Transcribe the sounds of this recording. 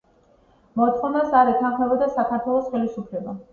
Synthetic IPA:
mɔt̪sχɔnasaɾɛt̪ʰanχmɛbɔd̪asakʰaɾt̪ʰwɛlˠɔsχɛlisupʰlɛba

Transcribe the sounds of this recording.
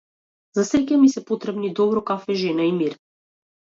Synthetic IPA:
zasɛcʲamisɛpɔt̪ɾɛbnid̪ɔbɾɔkafɛʒɛnaimiɾ

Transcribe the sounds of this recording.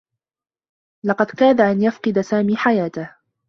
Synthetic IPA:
lɑqɑd̪kaːd̪aʔanjafqɨd̪asaːmiːħajaːt̪ah

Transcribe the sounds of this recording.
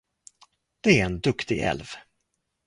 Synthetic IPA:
d̪̥ɛæɾɛnd̪ɵkt̪ɪɡɛ̰lv

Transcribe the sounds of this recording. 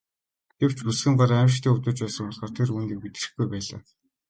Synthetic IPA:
ɡ̥ew̥t͡ɕusxɘ̆ɴɢɔɾæːmʃ̬t̪ʰiːŋut̪ʊ̆t͡ɕpæːsə̆ŋpɔɮχɔːrt̪ʰeruːniːk̚mit̪̆rɘ̆xɡujpæːɮa̰ː

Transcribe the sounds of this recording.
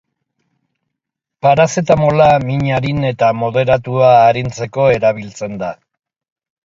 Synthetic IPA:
paɾase̞t̪amo̞lamiɲaɾine̞t̪amo̞ðe̞ɾat̪uaːɾint͡se̞ko̞e̞ɾaβ̞ilt͡se̞nd̪a

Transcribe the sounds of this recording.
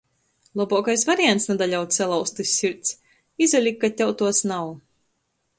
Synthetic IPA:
lˠɔbɔkajsvaɾiant̪snad̪aʎʲawt̪sɛlˠawst̪ɨsʲːiɾt̪s | izalʲikːat̪ʲawt̪uɔsnaw

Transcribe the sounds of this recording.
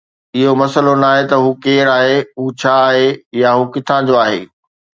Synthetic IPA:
ɪɦomɐsəlonaːɦet̪ɐɦuːkeːɾaːɦeɦuːt͡ɕʰaːɦejaɦuːkɪt̪ʰãːd͡ʑoaːɦḛː

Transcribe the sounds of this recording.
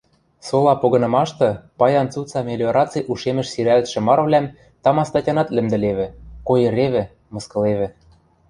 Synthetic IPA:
solˠɑpoɣɤ̆nɤ̆mɑʃt̪ɤ̆pɑjɑnt͡sut͡sɑmʲelʲoɾɑt͡sɨjʔuʃemɘ̆ʃsiɾælt̪ʃɘ̆mɑɾɤ̆vlʲæm | t̪ɑmɑst̪ɑtʲɑnɑt̪lɘ̆md̪ɘ̆leβɘ̆kojɤ̆ɾeβɘ̆ | mɤ̆skɤ̆leβɘ̆

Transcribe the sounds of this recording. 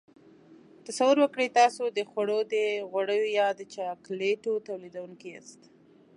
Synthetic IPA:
t̪asawʊɾwəkɽəjt̪ɑsod̪əxwaɽod̪əɣwaɽəjojɑd̪ət͡ʃɑkleʈot̪awlid̪awuŋkia̰st̪

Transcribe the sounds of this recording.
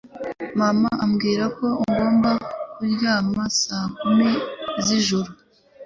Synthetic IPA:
mamaamɡiːɾako̞iŋɡo̞ːmbakuɾɟaːmasakumiziʒuɾu

